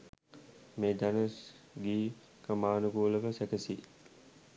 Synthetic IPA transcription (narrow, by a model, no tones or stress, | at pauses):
meːd̪anəs | ɡiː | kəmaːnuɡuːləʋəsækəsi